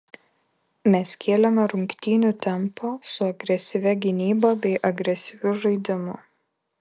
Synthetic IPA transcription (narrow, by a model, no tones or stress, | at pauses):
mʲɛskʲʰeːlʲɛmʲɛɾʊŋʲkt̪ʲiːnʲut̪ʲɛmposʊɐɡɾʲɛsʲɪʋʲɛɡʲɪnʲiːboːbʲɛɪʔɐɡɾʲɛsʲɪʋʲʊʒɐɪd̪ʲɪmʊ